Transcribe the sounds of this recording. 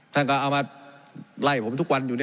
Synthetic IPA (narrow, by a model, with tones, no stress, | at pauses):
t̪ʰa˥˩nkɔː˥˩ʔaː˨˩wmaː˧ | la˧˩pʰo˨˦mt̪ʰu˦˥k̚wa˧njuː˨˩˥